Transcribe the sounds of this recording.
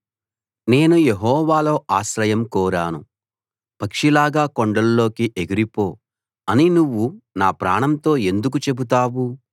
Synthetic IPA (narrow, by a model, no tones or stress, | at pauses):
ne̞ːnujeɦɔːʋaːlo̞ːʔaːʃɾɐjɐmkɔːɾaːnṵ | pɐkʂilaːɡaːkoɳɖɐlːo̞ːkiʔeɡiɾipo̞ː | ɐninuʋːunaːpɾa̰ːɳɐmt̪o̞ːe̞nd̪uk̬ut͡ʃe̞but̪̬aːʋu